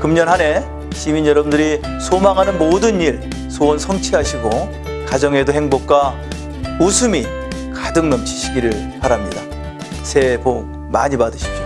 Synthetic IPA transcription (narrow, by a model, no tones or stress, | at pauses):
kɯmɲʌnɦane̞ | ɕʰiminjʌɾʌbundɯɾi | sʰomaŋɦanɯnmodɯɲiɭ | sʰoːnsʰʌŋt͡ɕʰiɦaɕʰiɡo | kad͡ʑʌŋe̞doheŋbok̚k͈a | usʰumi | kadɯŋnʌmt͡ɕʰi̥ɕʰiɡiɾɯɭpaɾɦamɲida | sʰe̞bo | maɲipadɯɕʰi̥p̚t͡ɕ͈o̥